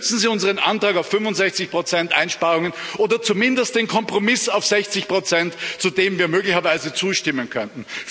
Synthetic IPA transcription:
t͡sn̩ziːʊnzəʁ̞ənʔa̰ntʁ̥aːkaʊfːʏnvʊntz̥ɛçt͡sɪçpʁ̥ot͡sɛntʔaɪnʃpaːʁʊŋənʔoːdɐt͡sumɪndəst̚d̥eːnkʰɔmpʁ̥omɪsaʊfz̥ɛçt͡sɪçpʁ̥ot͡sɛntt͡sudeːmviːɐmøːɡlɪçɐvaɪzət͡suːʃtɪmənkʰœntn̩

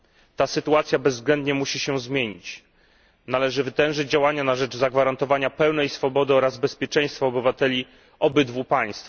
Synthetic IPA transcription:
t̪asɘt̪uat̪sʲjabɛzːɡlɛnd̪̚ɲɛmuɕiɕɛzmʲjeɲḭt͡ɕ | nalɛʐɘvɘt̪ɛ̃w̃ʐɘd͡ʑd͡ʑawaɲanaʐɛd͡ʐzaɡvaɾant̪ɔvaɲapɛwnɛjsfɔbɔd̪ɘɔɾazbɛspʲjɛt͡ʂɛ̃j̃st̪fɔːbɘvat̪ɛlʲi | ɔbɘd̪vupaj̃st̪f

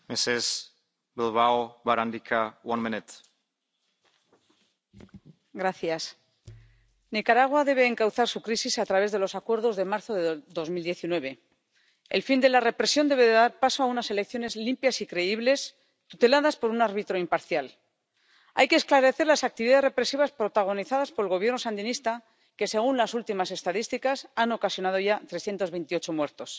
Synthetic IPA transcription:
meses | bilβaoβaɾand̪ikʰawanmĩnit̪ | ɡɾaθjas | nikaɾaɣ̞waðe̞βe̞ːŋkawθaɾsukɾisisat̪ɾaβe̞zð̞e̞lo̞sakwe̞ɾðo̞zðe̞maɾθo̞ðeðo̞zmild̪je̞θinwe̞β̞e̞ | ḛlfind̪e̞lare̞pɾe̞sjo̞nd̪eβeðeðaɾpaso̞aunase̞le̞kθjo̞ne̞zlimpjasikɾe̞iβle̞s | t̪ut̪e̞laðaspo̞ɾunaɾβit̪ɾo̞impaɾθjal | a̰jkesklaɾe̞θe̞ɾlasak̚t̪iβiðae̞zre̞pɾe̞siβaspɾo̞t̪aɣ̞o̞niθaðaspo̞ɾelɣo̞β̞je̞ɾno̞sand̪inist̪a | ke̞se̞ɣ̞unlasult̪imase̞st̪aðist̪ikasano̞kasjo̞nað̞o̞ʝat̪ɾe̞sθje̞nt̪oβe̞jnt̪io̞t͡ʃo̞mwe̞ɾt̪o̞s

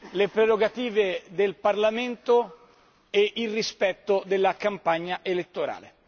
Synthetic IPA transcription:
lepɾeɾoɡat̪iːved̪elparlament̪o | eʔilrispɛt̪ːod̪elːakampaɲːaʔelet̪ːoɾa̰ːlḛ

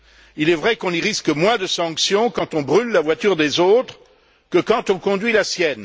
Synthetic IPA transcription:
ilɛvʁɛkɔ̃niʁiskəmwɛ̃d̪əsɑ̃ksjɔ̃kɑ̃t̪ɔ̃bʁylːavwat̪yʁd̪ezot̪χ | kəkɑ̃t̪ɔ̃kɔ̃d̪ɥilasjɛn

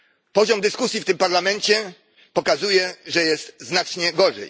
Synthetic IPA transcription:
pɔʑɔmd̪ɘskusʲjift̪ɘmpaɾlamɛɲt͡ɕɛ | pɔkazujɛʐɛjɛst̪znat͡ʂɲɛɡɔʐɛ̰j

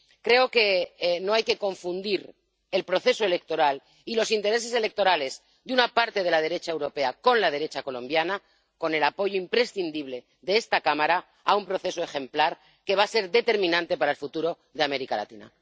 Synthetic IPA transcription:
kɾe̞o̞ke̞noajke̞ko̞ɱfund̪iɾ | e̞lpɾoθe̞soe̞le̞k̚t̪o̞ɾal | ilo̞sint̪e̞ɾe̞s̬e̞se̞le̞k̚t̪o̞ɾale̞z | d̪eunapaɾt̪e̞ð̞e̞lað̞e̞ɾe̞t͡ʃaewɾo̞pe̞ako̞nlað̞e̞ɾe̞t͡ʃako̞lõ̞mbjana | ko̞ne̞lapo̞ʝoimpɾe̞sθind̪iβle̞ | ðeest̪akamaɾa | aumpɾo̞θe̞soe̞xe̞mplaɾ | ke̞β̞ase̞ɾðe̞t̪e̞ɾmĩnãnt̪e̞paɾaelfut̪uɾo̞ | ðe̞ame̞ɾikala̰t̪ina̰

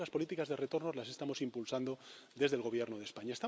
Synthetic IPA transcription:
laspo̞lit̪ikazðere̞t̪o̞ɾno̞zlase̞st̪amo̞simpulsand̪o̞ðe̞zðelɣ̞o̞β̞je̞ɾnoð̞espaɲaest̪a

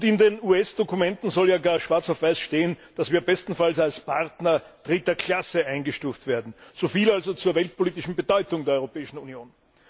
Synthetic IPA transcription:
ʊntɪndenuːɛsd̥okʊmɛntn̩zɔljaːɡaːɐʃv̥aɐt͡sɐfv̥aɪsʃteːənd̥asv̥iːɐbɛstn̩falsalspʰaʁtnɐ | d̥ʁɪtɐkʰl̥asəʔãɪnɡəʃtuːftv̥eːɐdn̩z̥ofiːlalzot͡suːɐvɛlt̚pʰoliːtɪʃn̩bədɔʏtʊŋdeːɐɔʏʁopɛːɪʃn̩unjoːn

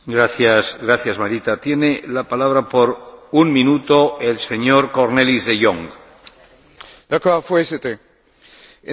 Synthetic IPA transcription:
ɡɾaθjasɡɾaθjazmaɾit̪at̪je̞nelapalaβ̞ɾapo̞ɾuŋmĩnut̪oelse̞ɲoɾko̞ɾne̞lizðejoŋɡ | d̪akoafweset̪e

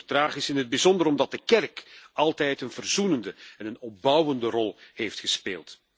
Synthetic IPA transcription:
rtraːχɪsɪnɦəd̚bizɔndəɾɔmdɑt̚dəkɛrkɑlˠtɛjtənvərzunəndəɛnənɔp̚bʌwəndərɔlˠheːftxəspeːlˠt

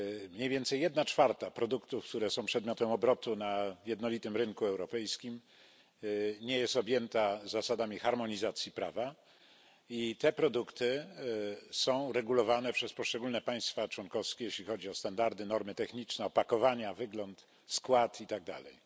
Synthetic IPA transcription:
mɲejvʲjɛnt̪sɛjːjɛd̪nat͡ʂfaɾt̪apɾɔd̪ukt̪ufk̚t̪uɾɛsɔ̃w̃pʂɛd̪mʲjɔt̪ɛmɔbɾɔt̪unajɛd̪nɔlʲit̪ɘmɾɘŋkuɛwɾɔpɛjskʲim | ɲɛjɛst̪ɔbʲjɛnt̪azːasad̪amʲixaɾmɔɲizat̪sʲjipɾa̰va | it̪ɛpɾɔd̪ukt̪ɘ | sɔ̃w̃ɾɛɡulɔvanɛpʂɛspɔʂt͡ʂɛɡulnɛpaj̃st̪fat͡ʂwɔnkɔfskʲɛjeɕlʲixɔd͡ʑiɔst̪and̪aɾd̪ɘnɔɾmɘt̪ɛxɲit͡ʂnɛɔpakɔvaɲavɘɡlɔnt̪ | skwat̪it̪aɡ̚d̪a̰lɛ̰j

